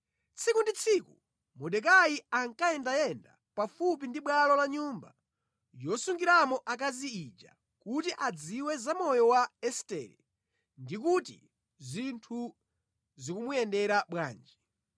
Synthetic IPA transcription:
t͡sʰikundit͡sʰiku | mɔɗɛk̬ajiaŋkaɛndajɛnda̰ | pafup̬indiɓwalɔlaɲumba̰ | jɔsuŋɡiɾamɔʔak̬aziid͡ʒa̰ | kutiʔad͡ziwɛzamɔjɔwaɛstɛ̰ɾɛ̰ | ndik̬utḭ | zintʰu | zikumujɛndɛɾaɓwa̰ːnd͡ʒi

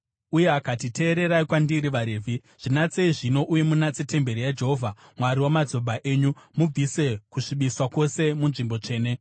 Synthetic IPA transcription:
ujeakatitʰe̞ːɾe̞ɾaikwandiɾiʋaɾeːvʱi | ʐ̥inat͡se̞iʐino̞ʔuje̞munat͡sete̞mbe̞ɾijad͡ʒe̞ɦovʱamwaɾiwamad͡zo̞bʱaʔe̞ːɲumub͡vʱise̞kuʂiɓiswakwo̞se̞munʐimbo̞t͡ʂe̞ːne̞

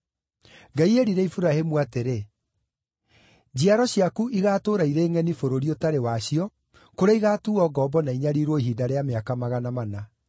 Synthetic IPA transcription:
ɡaieɾiɾɛifuɾahemuateɾe | d͡ʑiaɾɔɕiakuʔiɣaːtoːɾaiɾeːŋɛnifoɾoɾiotaɾewaɕiɔ | koɾeiɣaːtuɔːɡɔbɔnaiɲaɾiɾwɔiɦiːdaɾeameakamaɣanamana

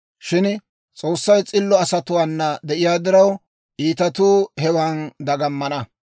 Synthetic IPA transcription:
ʃɪn | t͡sʼo̞ːsːɐjt͡sʼɪlːɔɐsɐt̪ʊwaːnːɐd̪ɛʔɪjaːd̪ɪɾɐw | ʔiːt̪ɐt̪uːhɛwand̪ɐɡɐmːɐnɐ

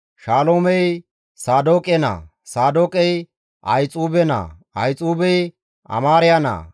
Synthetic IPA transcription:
ʃaːloːmɛj | saːd̪oːkʼɛna̰ː | saːd̪oːkʼɛj | ʔɐjt͡sʼuːbɛna̰ːʔɐjt͡sʼuːbɛj | ʔɐ̰maːɾɪjana̰ː

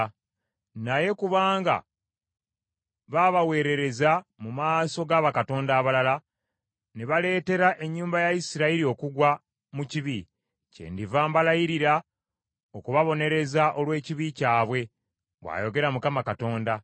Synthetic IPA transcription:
naje̞kuβaːŋɡa̰ | βaβawe̞ːɾe̞ɾe̞zamumaːso̞ɡaːβakato̞ːndaːβalala | neβale̞ːte̞ɾaʔe̞ɲːuːmbajaisiɾaiɾio̞kuɡwa | muciβi | cḛndivaːmbalajiɾiɾa | okuβaβo̞ne̞ɾe̞zaʔo̞lwe̞ːciβicaːβwe̞ | βwa̰ːjo̞ɡe̞ɾamukamakato̞ːnda

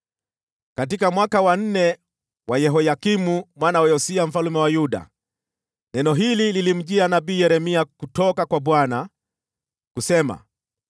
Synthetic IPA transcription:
katikamwakawan̩nɛ | wajɛɦɔjakimumwanawɛjɔsiam̩falumɛwajuɗa̰ | nɛnɔɦilililim̩ʄianaɓiːjɛɾɛmiakutɔkakwaɓwana | kusɛma̰

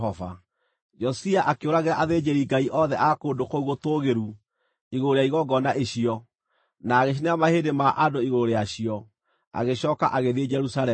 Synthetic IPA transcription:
ɔva̰ | d͡ʒɔsiaʔakeoɾaɣeɾaʔaðeːd͡ʑeɾiɡaiʔɔðɛʔakondokouɣotoɣeɾu | iɣoɾeaiɣɔɡɔnaʔeɕiɔ | naːɣeɕ̬ineamaheːdemaʔadoiɣoɾejaɕiɔ | a̰ɣeɕɔːkaʔaɣeðed͡ʒɛɾusalɛ

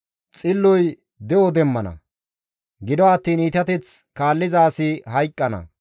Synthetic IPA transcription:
t͡sʼɪlːɔj | d̪ɛjɔd̪ɛmːɐnɐ̰ | ɡɪd̪ɔɐt̪ːiːnit̪ɐt̪ɛt͡skaːlːɪzaːsɪɦɐjkʼːɐnɐ̰

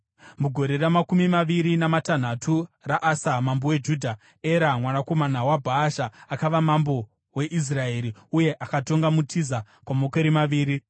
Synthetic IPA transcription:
muɡʱo̞ɾe̞ramakumimaʋiɾinamatan̤atʰuraʔasamambowe̞d͡ʒudʱa | eɾamwanako̞manawabʱaːʃaːkaʋamambo̞ | we̞ʔis̬rae̞ːɾiuje̞ʔakato̞ŋɡamutʰiza | kwamokeɾimaʋiːɾi

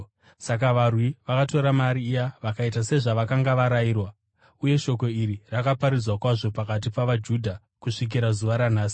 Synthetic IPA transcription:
sak̬aʋarwiʋakato̞ɾamaɾiːjaʋakaitase̞ʐaʋakaŋɡaʋaɾaiːrwa | uje̞ʃo̞ko̞irirakapaɾid͡zwakwaʐo̞pakat̬ipaʋad͡ʒudʱa | kuʂik̬iɾazuʋaɾanaːsi̥

